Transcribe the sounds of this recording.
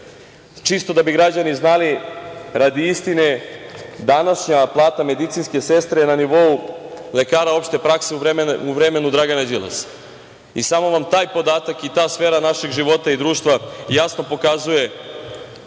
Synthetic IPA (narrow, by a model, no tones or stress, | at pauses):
t͡ʃist̪o̞d̪abiɡɾad͡ʑaniznaliɾad̪iist̪ine̞ | d̪anaʃɲaplˠaːt̪ame̞d̪it̪sinske̞se̞st̪ɾenaniʋo̞ule̞kaːɾao̞pʃt̪e̞pɾakseueuʋɾemenud̪ɾaɡanad͡ʑila̰s | isamo̞ʋamt̪aːjpo̞d̪aːt̪akit̪aːsfeːɾanaʃeɡʒiʋo̞t̪aid̪ɾuːʃt̪ʋajasno̞po̞kazuje̞